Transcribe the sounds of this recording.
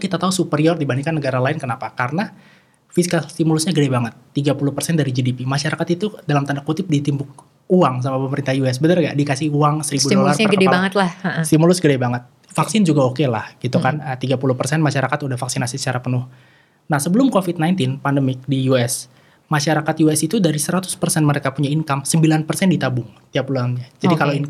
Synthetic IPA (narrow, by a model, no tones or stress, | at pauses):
kit̪at̪aɦusupəɾiɔrdibaniŋkanːəɡaɾalaɪnkənapakarəna | fisikalst̪imulʊsɲaɡədabaŋət̪ːiɡapulʊhpərsɛndaɾid͡ʒidipimaʃaɾakat̪it̪udalamt̪əndakut̪ɪp̚dit̪imbʊk̚ | uaŋs̬amapəməɾint̪ahjuɛs̬bənərɡadikasɪhuaŋsəɾibuddolarkɡkədbaŋət̪lahəsimulʊsɡədabaŋət̪̚ | faksɪnd͡ʒuɡaokela̰hɡ̥it̪ukanət̪iɡapulʊhpərsɛnmaʃaɾakat̪udahfaksinasisə̥t͡ʃaɾapənʊh | nahsəbəlʊmkofɪt̪̚najnt̪ɪnpandəmɪk̚dijuɛs | maʃaɾakat̪juɛsit̪udaɾisəɾat̪ʊ̥spərsɛnməɾekapuɲainkamsəmbilanpərsɛndit̪abʊŋt̪iapuluaŋɲad͡ʒadikalloin